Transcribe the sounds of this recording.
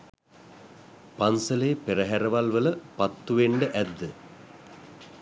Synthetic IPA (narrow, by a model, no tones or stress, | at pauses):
pansəlejːpeɾəɦæɾəʋalʋələpat̪ːuʋeɳɖəʔæd̪ːə